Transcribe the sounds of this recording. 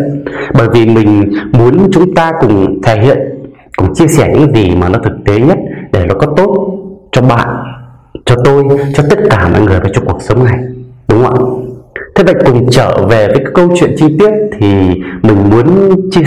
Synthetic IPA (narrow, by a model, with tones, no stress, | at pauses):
ɓəː˧˩jvi˨˩mï˨˩ŋ̟mu˨˦ənt͡ɕʊ˨˦ŋ͡mt̪aː˧kʊ̰˨˩ŋ͡mt̪ʰa˧˩ɦḭ˧˨ən | kʊ̰˨˩ŋ͡mt͡ɕi˧əsɛː˧˩ɲɨ̰˧˥zi˨˩maː˨˩nɔ˨˦t̪ʰɨ˨˩k̚t̪e˨˦ɲə˦˥t̚ɗe˧˩lɔː˨˩kɔ˨˦t̪o˦˥t̚t͡ɕɔ˧ɓa̰ː˧˨n | t͡ɕɔ˧t̪o˧jt͡ɕɔ˧t̪ə˦˥t̚kaː˧˩mɔ̰˧˨jŋɨ˨˩əjvaː˨˩t͡ɕɔ˧ŋ͡mku˨˩ək̚sə˨˦wŋ͡mna˨˩jɗʊ˨˦wŋ͡mʔə̰˧˨˩t̪ʰe˨˦ɓə̰˧˨kʊ˨˩ŋ͡mt͡ɕəː˧˩ve˨˩vəː˨˦jkaː˨˦˥kə˧wt͡ɕwḭ˧˨ənt͡ɕi˧t̪i˦˥ət̚t̪ʰi˨˩mï˨˩ŋ̟mu˨˦ənt͡ɕi˧